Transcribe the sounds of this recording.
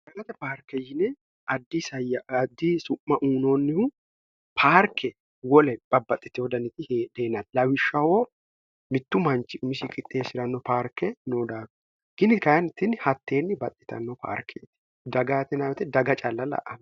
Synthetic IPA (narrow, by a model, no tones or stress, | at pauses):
d̪̥ɐɡɐt̪ɛpaːɾkɛjɪnɛ | ʔɐd̪ːisɐjɐɐd̪ːisʊʔːɐʔuːnoːnːɪhʊ | pʰaːɾkʰːɛ | wɔlɛb̥ɐbːɐt̪ʼːɪt̪ːɪhɔd̪ɐnɪt̪ɪhed̪eːnɐt̪lɐwɪʃːɐwoː | mɪt̪ːʊmɐnt͡ʃːɪʊmɪʃɪkʼɪt̪ʼːeːsɪɾɐnːɔpaːɾkːɛnoːd̪aːɡ | ɡ̥ɪnɪkɐjɐnɪt̪ːɪnhɐt̪ːe̞ːnːɪbɐt̪ʼːɪ̥t̪ɐ̰nːɔpʰa̰ːɾkʰːɛt̪ɪ̥ | d̪ɐɡaːt̪ɪnawɛt̪ɛd̪ɐɡɐt͡ʃʼɐlːɐlɐ̰ʔɐn